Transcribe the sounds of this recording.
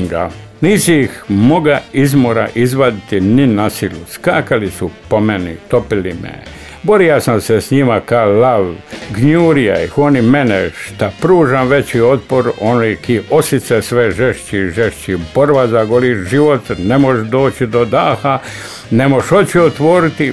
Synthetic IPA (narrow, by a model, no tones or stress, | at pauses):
ɡa | niːsiixmo̞ɡaizmoɾa̰ʔizʋad̪it̪ininasiluskaːkalisupomenḭt̪o̞pilimḛ | bo̞ɾijasamsesɲimakalaʋɡɲuːɾija̰ixonimeneʃt̪apɾuːʒamʋe̞t͡ɕio̞t̪̚poɾonojekiʔosit̪sesʋeʒeʃt͡ɕiʒeʃt͡ɕibo̞ɾbazaɡoliʒiʋot̪ne̞moʃd̪o̞ːt͡ɕid̪o̞d̪aːxa | nemoʃo̞t͡ɕiot̪ʋo̞ɾit̪i